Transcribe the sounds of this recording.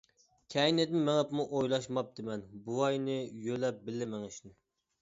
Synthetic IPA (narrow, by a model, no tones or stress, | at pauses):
kʲʰɛinɛt̪mɪmɛŋɛpmuʔojlˠɑʃmɑp̚d̪̥ɪmɛnbuɑjnɨjølɛp̚bɪlːɪmɛŋɪʃnɪ